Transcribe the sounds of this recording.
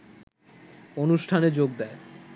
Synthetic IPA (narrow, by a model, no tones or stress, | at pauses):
onuʃʈʰaned͡ʑoɡ̚d̪ɛe